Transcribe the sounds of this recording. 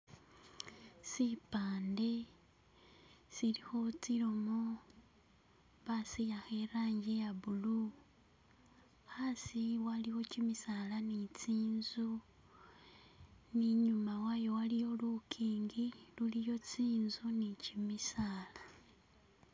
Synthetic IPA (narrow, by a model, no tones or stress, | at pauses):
sipaːnde̞ | silixo̞t͡siɾomo | βasijaxeɾaːɲɟejaβulu | xasiwaliwo̞cimisalanit͡siːnzu | niɲumawajo̞walijo̞lukʰiːŋɡilulijo̞t͡siːnzunicimisaːla